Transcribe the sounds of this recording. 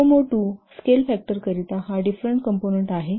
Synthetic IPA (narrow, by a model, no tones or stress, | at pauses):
omoʈuskelfɛk̚ʈəɾkəɾit̪aɦaɖifɾəɳʈkəmponeɳʈaɦe